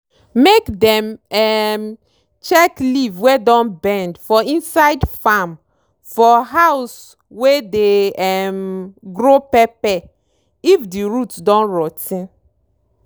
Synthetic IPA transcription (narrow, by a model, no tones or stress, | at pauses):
mekdɛ̃mɛm | t͡ʃɛklivwedɔ̃nbɛ̃ndfɔĩnsaɪdfam | fɔɦaws | wedeɛmɡɹopɛpɛ | ifdiɹutdɔ̃nɹɔtĩn